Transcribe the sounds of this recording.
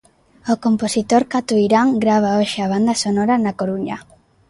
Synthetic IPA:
okomposit̪oɾkat̪uiɾaŋɡɾaβ̞aoʃɪaβ̞and̪ɐsonɔɾanakoɾuɲɐ̰

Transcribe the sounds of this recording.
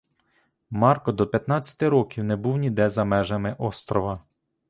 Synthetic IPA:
mɑrkɔd̪ɔpʲjɐt̪nɑt͡sʲːɐ̥t̪ɪɾɔkʲiwnebuwnʲid̪ɛzɐmɛʒɐmɪʔɔst̪ɾɔʋɐ

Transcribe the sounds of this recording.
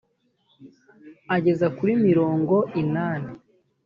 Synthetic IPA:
aɟe̞zakuɾimiɾo̞ːŋɡo̞ʔinaːne

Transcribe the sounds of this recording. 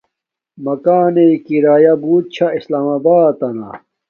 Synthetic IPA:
mɐkaːneikiɾaːjɐbuːt̪̚t͡ɕʰaislaːmɐbaːt̪ɐna̰

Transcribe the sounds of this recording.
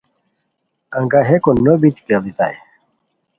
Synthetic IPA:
ɐ̃ŋɡaɦekonobit̪kelit̪a̰j

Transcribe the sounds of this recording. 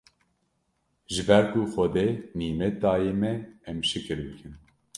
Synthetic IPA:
ʒɨbɛɾkuxɔd̪eniːmɛt̪̚ɑːjeːmɛɛmʃɨkɨɾbɨkʰɨn

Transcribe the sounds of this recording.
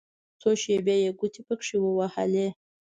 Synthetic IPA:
t͡soʃebʲɑjeɡut̪ʰipəkʂiwəwaha̰le

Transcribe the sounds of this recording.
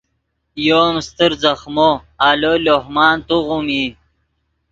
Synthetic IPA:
joːmst̪əɾzɐxmoaːlolohmɑːnt̪uʁumi

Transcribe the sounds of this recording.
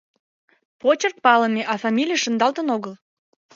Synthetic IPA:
pot͡ɕərk̪̚pɑləmeʔɑfɑmʲilʲijəʃə̆nd̪ɑlt̪ənoɣəl

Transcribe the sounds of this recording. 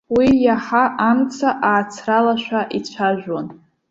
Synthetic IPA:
wijaħaʔamt͡sʰaʔaːt͡sʰralaʃʷᶣaʔit͡ɕʷʰaʒᶣan

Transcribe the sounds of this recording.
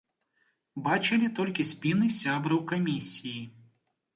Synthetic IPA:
bat͡ʃɨlʲit̪ɔlʲkʲisʲpʲinɨsʲabɾɐwkɐmʲisʲiji

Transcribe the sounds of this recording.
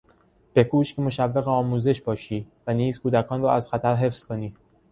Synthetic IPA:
b̥e̞kʰuːʃcʰemo̞ʃævːeɣeɒːmuːze̞ʃbɒːʃiːvæniːzkʰuːd̪ækʰɒːnrɒːæz̥xæt̪ʰæɾɦe̞fz̥ko̞niː

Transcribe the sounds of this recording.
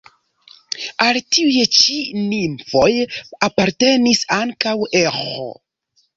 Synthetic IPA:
altiujt͡ʃinimfo̞japaɾte̞nisaŋkawexo̰

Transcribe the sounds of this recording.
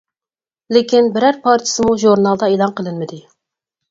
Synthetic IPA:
lɪkʲinbɪɾæɾpʰɑɾt͡ʃʰɪ̥sɨmuʒuɾnɑlˠd̪ɑelˠɑnqʰəlˠɪnmɪd̪ɪ

